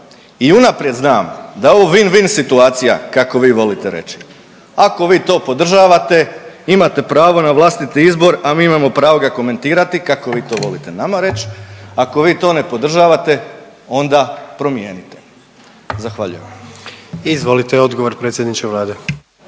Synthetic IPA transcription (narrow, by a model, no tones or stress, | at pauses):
iunapɾje̞d̪znaːmd̪aooʋinʋinsit̪uaːt̪sija̰kako̞ʋiːʋo̞lit̪eɾe̞̰t͡ɕi̥ | ako̞ʋiːt̪o̞ːpo̞d̪r̩ʒaːʋat̪e̞imat̪e̞pɾaːʋo̞naʋlˠast̪it̪iizbo̞ɾamiːimamo̞pɾaːʋo̞ɡako̞me̞nt̪iːɾat̪ikako̞ʋiːt̪o̞ːʋo̞lit̪e̞namaɾe̞t͡ɕako̞ʋiːt̪o̞ːne̞po̞d̪r̩ʒaːʋat̪e̞ | o̞nd̪apɾo̞mje̞̰ːnit̪e | zaxʋa̰ʎṵjeʋam | izʋo̞lit̪eod̪ɡoʋoɾpɾet̪sʲjed̪nit͡ʃkeʋlˠaːd̪e